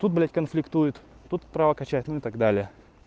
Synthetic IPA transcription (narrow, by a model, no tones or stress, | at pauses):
t̪ut̪̚blʲætʲkənflʲɪkt̪ujʊt̪t̪ut̪pɾavəkɐt͡ɕætʲnʊɪt̪aɡd̪alʲɪjə